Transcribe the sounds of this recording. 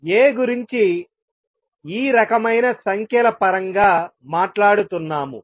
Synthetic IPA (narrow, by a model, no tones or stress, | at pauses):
eːɡuɾiɲt͡ʃi | iːɾɐkɐmɐjnɐsɐŋkʰɛlɐpɐɾɐŋɡaːmaːʈlaːɽut̪unːaːmṵ